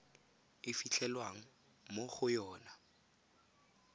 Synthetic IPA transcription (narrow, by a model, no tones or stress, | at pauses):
ɪfit͡ɬʰɛlwaŋ̩ | moχʊjɔːna